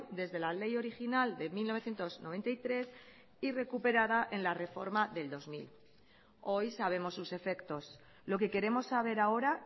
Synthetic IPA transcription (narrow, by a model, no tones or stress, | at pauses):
d̪e̞zðe̞lale̞jo̞ɾixinald̪e̞milnoe̞θjent̪o̞znoβe̞nt̪ajt̪ɾe̞s | ire̞kupe̞ɾaðaʔe̞nlare̞fo̞ɾmaðe̞ld̪o̞zmḭl | o̞jsaβ̞e̞mo̞sːuse̞fe̞kt̪o̞s | lo̞ke̞ke̞ɾe̞mo̞sːaβ̞e̞ɾao̞ɾa